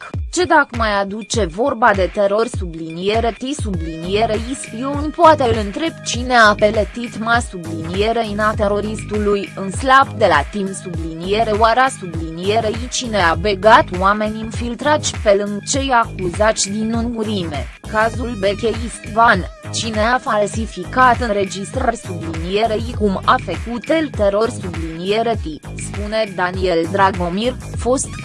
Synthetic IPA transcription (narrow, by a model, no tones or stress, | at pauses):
kt͡ʃe̞d̪akmajad̪ut͡ʃe̞vo̞rbad̪e̞t̪e̞ɾo̞rʲsublinijeɾet̪isublinije̞ɾeist̪jewnupoat̪e̞lɨnt̪ɾe̞bt͡ʃine̞ape̞let̪it̪masublinije̞ɾenat̪e̞ɾo̞ɾist̪ulujɨnslabd̪e̞la̰t̪imsublinije̞ɾe̞waɾasublinije̞ɾeit͡ʃine̞abe̞ɡat̪wame̞nʲinfilt̪ɾat̪t͡ʃʲpe̞lɨŋɡt͡ʃe̞jakuzat̪sʲd̪inunɡuɾime̞̰ | kazulbe̞kʲeist̪vant͡ʃine̞afalsifikat̪ɨnɾe̞d͡ʒist̪ɾarsublinije̞ɾejikumafekut̪elt̪e̞ɾo̞rʲsublinije̞ɾet̪i | spune̞d̪anield̪ɾaɡo̞mir | fo̞st̪